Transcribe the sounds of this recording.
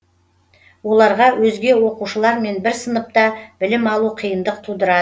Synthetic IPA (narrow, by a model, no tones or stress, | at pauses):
wo̞lˠɑɾʁɑwʔɵzɡʲe̞wo̞quʃəlˠɑɾme̞nbɪɾsənəp̚t̪ɑb̥ɪlɪmɑlˠuqʰijənd̪əqt̪ʰud̪əɾɑd̪ə